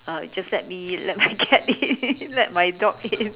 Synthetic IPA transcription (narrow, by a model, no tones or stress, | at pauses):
ad͡ʒaslɛt̚milɛt̚maɡʰɛt̚ilɛt̚majdɔkɪs